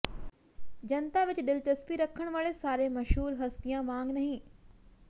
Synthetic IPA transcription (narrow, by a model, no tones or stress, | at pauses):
d͡ʒɐnt̪aʋɪt͡ʃd̪ɪlt͡ʃɐspiɾɐkʰːəɽ̃ʋaːɭesaːɾemɐʃɦuːɾɦɐst̪ijãmãːŋɡnɐɦĩː